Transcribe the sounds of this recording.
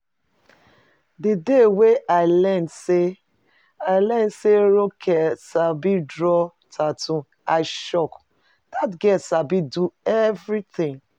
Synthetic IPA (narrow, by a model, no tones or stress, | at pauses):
dideweʔaɪlɛndse | aɪlɛ̃nseɾokʰɛsabidɹɔ | tʰatũ | aɪʃɔk | d̥atɡɛsabiduɛvɾit̪ĩŋ